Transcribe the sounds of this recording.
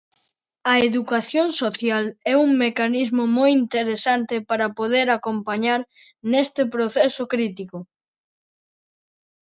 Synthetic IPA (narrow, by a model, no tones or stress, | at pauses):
ɐeðukaθjoŋsoθjalɛuŋmekanizmomojint̪eɾesant̪epaɾɐpoð̞eɾakompaɲaɾ | nest̪epɾoθɛsʊkɾit̪iko